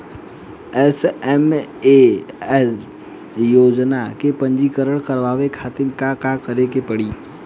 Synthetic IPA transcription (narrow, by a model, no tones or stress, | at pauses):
ɛsɛmeɛs | joːd͡ʒnakepə̃ɲd͡ʒikəɾəɽ̃kəɾʋaːʋekʰaːt̪ɪnkakakəɾekepɐɽiː